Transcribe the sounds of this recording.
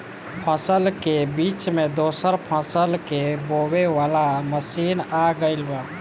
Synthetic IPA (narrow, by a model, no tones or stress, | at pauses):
pʰəsəlkebit͡ʃmed̪osəɾpʰəsəlkebobeʋalaməsinaɡəɪlbə